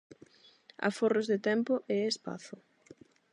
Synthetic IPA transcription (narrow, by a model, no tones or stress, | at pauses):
a̰forozðɪt̪ɛmpʊʔeespa̰θʊ